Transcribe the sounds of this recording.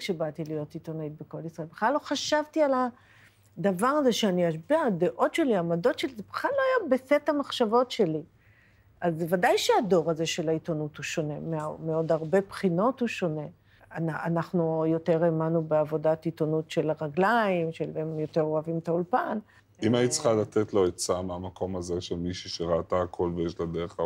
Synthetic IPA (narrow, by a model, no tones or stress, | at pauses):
ʃebat̪ilijo̞tit̪onait̚beko̞lisʁaelbeχlalo̞χaʃavtiala | d̪avaʁaze̞ʃeaniaʃbeade̞ʔo̞tʃeliamado̞tʃelizeb̥eχlalːoajabesethamaχʃavo̞tʃe̞li | azvadajʃeado̞ʁazeʃelaitonuthuʃo̞ne̞memeo̞daʁbe̞pχino̞tuʃo̞ne̞ | anaanaχnujo̞te̞ʁemanubeavo̞datitonutʃe̞laʁaɡlaimʃelemjo̞teʁoavimtaulpan | imanit͡sχalat̪et̪lo̞ett͡samamakʰo̞mazeʃelmiʃiʃeʁaat̪aakʰo̞lvejeʃlad̪eʁeχa